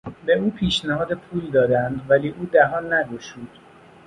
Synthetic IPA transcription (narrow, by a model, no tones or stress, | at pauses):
be̞uːpʰiːʃnæhɒːd̪epʰuːld̪ɒːd̪ænd̪væliːʔuːd̪æɦɒːnːæɡoʃuːd̪̥